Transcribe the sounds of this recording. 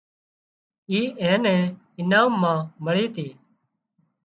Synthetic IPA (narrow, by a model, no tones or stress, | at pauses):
iːɛ̃ːnɛ̃ː | ɪnaːmːãːməɭiːt̪ʰiː